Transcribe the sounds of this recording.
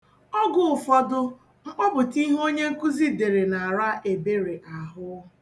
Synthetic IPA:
ɔ˦ɡʊ˨ʊ˨fɔ˦dʊ˦ | ŋ͡m̩˦k͡pɔ˦bʊ˨ti˦ɦo˦ɲe˦ŋ̩˦ku˦zi˦de˨ɾe˨na˨a˨ɾa˦ʔe˨be˦ɾe˨ʔa˨ɦʊ˦

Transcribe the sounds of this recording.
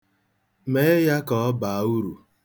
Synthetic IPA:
me˦ja˦kɔ˨ɔ˦ba˨˦u˦ɾu˨

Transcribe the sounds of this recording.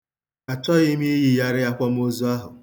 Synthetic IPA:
a˨t͡ʃɔ˦ɣi˦mi˦e˦ji˨ja˦ɾɪ˦a˦kʷɔ˦m̩˦o˦zu˦a˦ɦʊ˨

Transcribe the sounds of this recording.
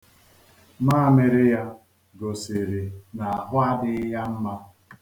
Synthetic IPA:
ma˦˨me˨ɾe˦ja˦ | ɡo˨se˨ɾe˨na˨a˨ɦʊ˦a˦dɪ˦ja˦m̩˦ma˦

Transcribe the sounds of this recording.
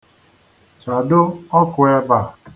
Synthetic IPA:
t͡ʃa˨dʊ˦ɔ˦kʊ˨e˦ba˨

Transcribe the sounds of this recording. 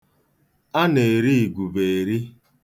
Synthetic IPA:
a˦ne˨ɾi˦˨ɡʷu˨be˨e˨ɾi˦

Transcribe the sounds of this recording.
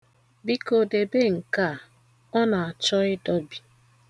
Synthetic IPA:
bi˦ko˨de˨be˦ŋ̩˨ka˦˨ | ɔ˦na˨a˨t͡ʃɔ˦ɪ˦dɔ˦bi̥˨

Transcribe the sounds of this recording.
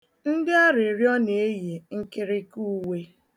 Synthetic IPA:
n̩˦dɪ˦a˦ɾɪ˨ɾjɔ˦ne˨e˦je˨ŋ̩˦kɪ˦ɾɪ˦ku˦we˦

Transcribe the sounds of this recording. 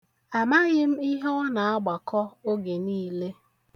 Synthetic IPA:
a˨ma˦ɣɪ˦m̩˦i˦ɦɔ˦na˨a˦ɡ͡ba˨kɔ˦o˦ɡe˨niː˦le˦

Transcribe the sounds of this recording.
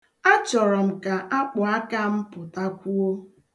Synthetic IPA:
a˦t͡ʃɔ˨ɾɔ˨m̩˨ka˨ʔa˦k͡pʊ˨a˦ka˦m̩˦pʊ˨ta˦kʷu˦o˦

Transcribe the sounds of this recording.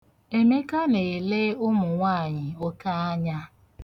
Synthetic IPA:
e˨me˦ka˦ne˨e˨le˦ʊ˦mʊ˨ŋʷa˦˨ɲɪ˨o˦ka˦a˦ɲa˦

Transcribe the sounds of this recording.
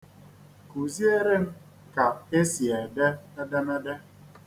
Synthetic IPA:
ku˨zi˦e˦ɾe˦m̩˦ | ka˨e˦si˨e˨dɛ˦a˦da˦na˦dɛ˦

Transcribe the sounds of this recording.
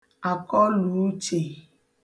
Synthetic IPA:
a˨kɔ˦lu˨˦t͡ʃe˨

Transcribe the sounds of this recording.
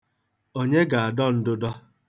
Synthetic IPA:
o˦ɲe˦ɡa˨a˨dɔ˦n̩˦dʊ˦dɔ˦

